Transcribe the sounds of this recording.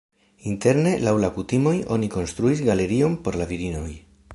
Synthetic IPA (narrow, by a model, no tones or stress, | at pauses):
inte̞ɾne̞lawlakutimo̞jo̞̰niko̞nst̪ɾuisɡale̞ɾio̞npo̞ɾlaviɾino̞j